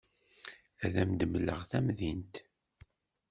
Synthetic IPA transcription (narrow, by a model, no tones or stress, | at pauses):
æðæmd̪əmlə̰ʁθæmðint̪